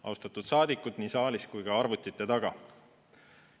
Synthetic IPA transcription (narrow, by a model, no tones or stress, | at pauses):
ɑ̰wst̪ɑt̪ˑud̪̥sɑːd̪ikːˑud̪̥niːsɑːliskujɡ̥ɑɑɾvut̪ʲːˑit̪ːˑe̞t̪ɑɡ̥ɑ